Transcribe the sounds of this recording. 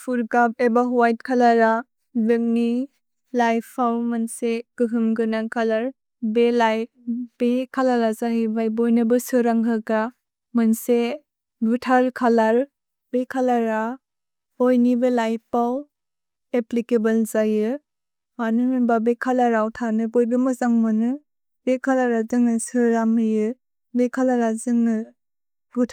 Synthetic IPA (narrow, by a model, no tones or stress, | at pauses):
pʰuɾɡap̚ebaɦuwajt̚kʰalaɾa | beŋni | lajpʰːawmanseɡ̥ɯɦɯmɡɯnaŋkʰalaɾ | belaj | bekʰalaɾazaɦibajbojnɯbɯsɯɾaŋɦɯɡa | mɯnse | ɡutʰaɾkʰalaɾ | bekʰalaɾa | ojnibɯlajpaw | eplikebɯlzajɯ | manɯmɯbabekʰalaɾawtʰanɯbɔjbɯmɯzaŋmɯnɯ | bekʰalaɾazɯŋnɯsɯɾamijɯ | bekʰalaɾazɯŋnɯ | ɡutʰ